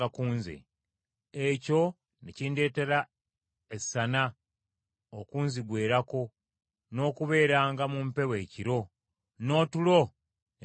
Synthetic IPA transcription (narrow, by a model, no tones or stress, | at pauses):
akuːnzḛ | eco̞ | nḛcinde̞ːte̞ɾa | esːana | okuːnziɡwe̞ːɾako̞ | no̞ːkuβe̞ːɾaːŋɡamumpe̞we̞ːciɾo̞ | no̞ːtulo̞